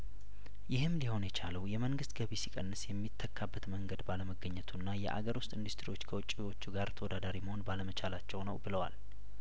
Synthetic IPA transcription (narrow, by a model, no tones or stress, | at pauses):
jɪhɨmliho̞njɛt͡ʃʰaləwjɛməŋɡɨst̪ɡəβisikʼənːɨsjɛmːit̪ʰːəkʰːabːət̪məŋɡəd̪baləməɡːəɲːɛt̪ʰunːajɛ̰ʔa̰ɡəɾwʊst̪ʼɨnd̪ust̪ʰɾiwo̞t͡ʃːkʰəwɔt͡ʃʼːiwo̞t͡ʃːuɡaɾt̪ʰəwɔd̪ad̪aɾiməhonbaləmət͡ʃʰalat͡ʃːɛwnəwbɨləwa̰l